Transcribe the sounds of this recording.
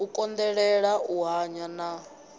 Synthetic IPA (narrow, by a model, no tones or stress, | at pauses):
ukʼɔnd̪ɛɺɛɺaʔuɦaɲana